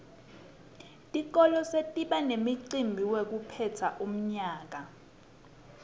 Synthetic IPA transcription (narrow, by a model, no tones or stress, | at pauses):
tʼik̬ɔlɔsetʼiɓanemiǀimbʱiwek̬upʰɛtʰaʔum̩ɲaːk̬a